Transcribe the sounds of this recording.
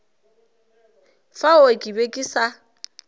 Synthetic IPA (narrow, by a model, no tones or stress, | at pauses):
faʊɪkʼibekʼisa